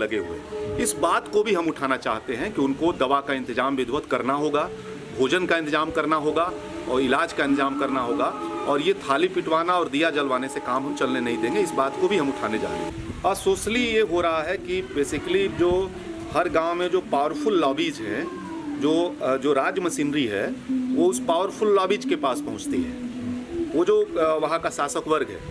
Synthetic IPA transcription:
lɐɡeɦuḛɪsbaːt̪kobʱiɦɐ̃mʊʈʰaːnat͡ʃa̰ːɦt̪eɦɛ̃kiʊnkod̪ɐʋakaɪ̃nt̪ɪzaːmʋɪd̪ʱwət̪kɐɾnaɦoːɡa | bʱoːd͡ʒənkaɪ̃nt̪ɪzaːmkɐɾnaɦoːɡa | ɔːɾɪlaːd͡ʒkaɪ̃nt̪ɪzaːmkɐɾnaɦoːɡaɔːɾjet̪ʰaːlipɪʈʋaːnaɔːɾd̪ijad͡ʒɐlʋaːnesekaːmɦɐ̃mt͡ʃɐlnenɐɦĩd̪ẽːŋɡeɪsbaːt̪kobʱiɦɐ̃mʊʈʰaːned͡ʒa̰ːɾə̰ːɦ | ɔːɾsoːʃlijeɦoɾɐɦaɦɛkibeːsɪkəlid͡ʒoː | hɐɾɡãːʊmẽd͡ʒoːpaːʋəɾfʊlːɔːbid͡ʒɦɛ̰̃ | d͡ʒoːd͡ʒoːɾaːd͡ʒjəmɐsiːnɾiɦɛ̰ʋoʊspaːʋəɾfʊlːɔːbiːd͡ʒkepaːspɐɦʊ̃t͡ʃt̪iɦɛ̰ː | ʋod͡ʒoːʋɐɦãkasaːsəkʋɐɾɡɦɛ̰ː

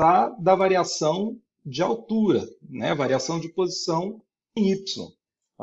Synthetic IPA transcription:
ad̪ɐvaɾiasɐ̃w̃ | d͡ʒɪawt̪uɾɐ̰nɛ̰vaɾiasɐ̃w̃d͡ʒɪpozisɐ̃w̃ | ẽj̃ipsõ̰

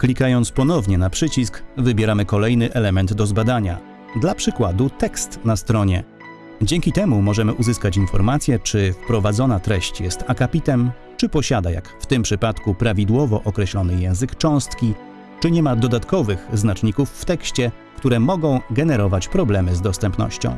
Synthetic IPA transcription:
klʲikajɔnt̪spɔnɔvɲɛnapʂɘt͡ɕiskvɘbʲjɛɾamɘkɔlɛjnɘʔɛlɛmɛnd̪d̪ɔzbad̪aɲa̰ | d̪lapʂɘkwad̪ut̪ɛkst̪nast̪ɾɔɲɛ | d͡ʑɛŋkʲit̪ɛmumɔʐɛmɘʔuzɘskat͡ɕinfɔɾmat̪sʲjɛt͡ʂɘfpɾɔvad̪zɔnat̪ɾɛɕt͡ɕjɛst̪akapʲit̪ɛm | t͡ʂɘpɔɕad̪aja̰kft̪ɘmpʂɘpat̪kupɾavʲid̪wɔvɔʔɔkɾɛɕlɔnɘjɛ̃w̃zɘkt͡ʂɔ̃w̃st̪kʲi | t͡ʂɘɲɛmad̪ɔd̪at̪kɔvɘɣznat͡ʂɲikufːt̪ɛkɕt͡ɕɛ | kt̪uɾɛmɔɡɔ̃w̃ɡɛnɛɾɔvat͡ɕpɾɔblɛmɘzd̪ɔst̪ɛmpnɔ̰ɕt͡ɕɔ̰̃w̃

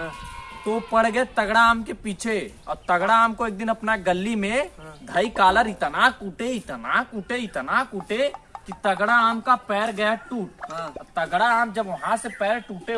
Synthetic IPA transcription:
t̪opəɽ̤ɡəet̪ɐɡɽaaːmkepiːt͡ʃʰeɔ̰ːɾt̪ɐɡɽaaːmkoeːk̚d̪ɪnɐpnaɡəlːimẽd̪ʱəikaːləɾɪt̪nakuʈeɪt̪nakuʈeɪt̪nakuʈekit̪ɐɡɽaaːmkapɛːɾɡəjaʈuːʈt̪ɐɡɽaaːmd͡ʒəbʋɐɦãsepɛːɾʈuːʈe

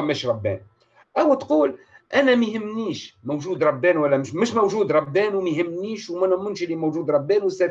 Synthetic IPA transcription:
æmːæʃɾˤɑbːæ̰n | ʔæwæt̪quːlʔænæmihəmːniʃmowʒud̪ɾˤɑbːænwəlːæmməʃmæwʒud̪ɾˤɑbːænwmæhəmːniʃwmænmːʊnʃəlimæwʒud̪ɾˤɑbːænwəsæ

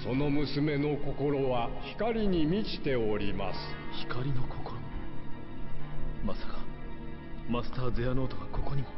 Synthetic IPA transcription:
so̞no̞mɯ̟sɨme̞no̞ko̞ko̞ɾo̞βaçi̥kaɾʲiɲ̟imʲit͡ɕi̥t̪e̞o̞ɾʲima̰sɨ̥çi̥kaɾʲino̞kʰokoɾo | masḁkḁ | masɨ̥t̪aːzeano̞ːt̪okako̞ko̞ɲ̟imo

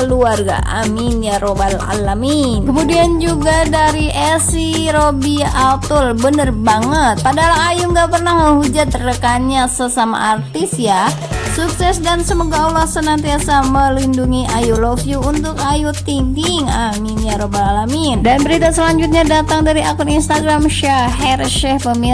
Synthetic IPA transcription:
kəluarɡa̰ʔa̰minjaɾobala̰lami | kəmudiand͡ʒuɡadaɾiʔɛsi | ɾobiʔat̪ulbənərbaŋət̪̚padaɦalaŋajuŋɡaʔpərnahŋəhud͡ʒat̪̚ːərdəkanɲasəsama̰ʔart̪isja | suksɛsdansəmoɡaulahsənant̪iasaməlinduŋiʔajulofjuunt̪ʊkajut̪iŋɡiŋaminjaɾobaalamindanbəɾit̪asəlaɲd͡ʒut̪̚ɲadat̪aŋdaɾiakuninst̪aɡɾamʃaɦɛrʃɛhpəmi

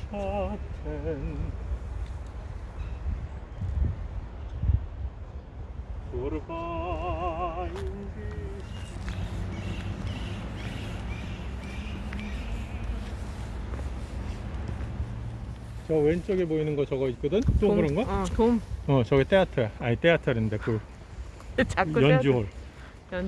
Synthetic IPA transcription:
aen | oɾɯba | indi | t͡ɕʌwent͡ɕ͈ʌɡiboinɯnɡʌt͡ɕʌɡʌit̚k͈ʌdɯnt͈okɯɾʌnɡʌomʌt͡ɕʌɡet͈eatʰʌait͈eatʰʌɾinnd̪ekɯ | t͡ɕajʌnd͡ʑuɦoɭ | j

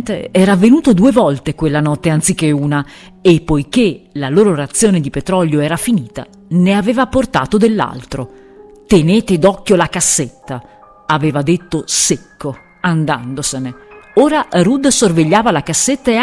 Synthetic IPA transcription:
t̪eɛːɾaːvːenuːt̪od̪uevɔlt̪ekwelːanɔt̪ːeant̪sikːeuːna | epːojk̟elaloːɾoɾat̪sːjoːned̪ipet̪ɾɔljoɛːɾafiniːt̪a̰ | neaveːvaport̪a̰ːt̪od̪elːa̰lt̪ɾo | t̪eneːt̪ed̪ɔkːjolakasːet̪ːa | aveːvad̪et̪ːosekːo | and̪a̰nd̪oseneoːɾarud̪sorveʎːaːvalakasːet̪ːae

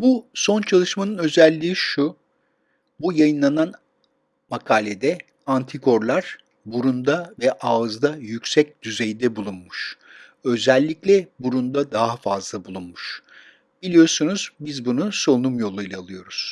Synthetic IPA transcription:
busont͡ʃʰalˠɯʃmanɯnø̞zɛlʲːiːʃu | bujajɯnlˠanan | makʰaːlʲed̪ɛ | ant̪ʰikʰo̞ɾlˠaɾ̥ | buɾund̪avɛʔaːɯzd̪ajycʲsɛc̚d̪yzejid̪ɛbulˠunmuʃ | ø̞zɛlʲːiclʲɛbuɾund̪ad̪aɦafazlˠabulˠunmuʃ | b̥ilʲijo̞ɾsunuzbizbunuso̞numjo̞lˠujlʲˠaːlˠɯjo̞ɾuz̥

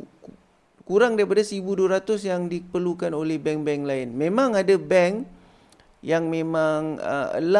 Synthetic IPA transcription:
kuɾaŋdaɾipadasəɾibuduaɾat̪ʊsjaŋdipərlukanolɛhbɛŋbɛŋklaɪnmẽmãŋadabɛŋ | jaŋmẽmãŋə̰ə̰la

